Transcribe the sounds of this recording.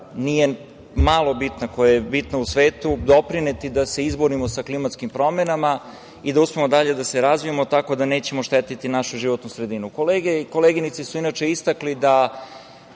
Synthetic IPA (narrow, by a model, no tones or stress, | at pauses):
nije̞ | maːlˠo̞bit̪nako̞jajebit̪nousʋe̞ːt̪ud̪o̞pɾinet̪id̪ase̞izboɾimosaklimat̪skimpɾo̞menama | id̪auspemo̞d̪aʎe̞d̪aseɾazʋijamo̞t̪ako̞d̪ane̞ːt͡ɕe̞mo̞ʃt̪et̪it̪inaʃuʒiʋo̞t̪nusɾe̞d̪inukoleːɡeko̞leɡinit̪sisuinat͡ʃe̞ist̪aklid̪a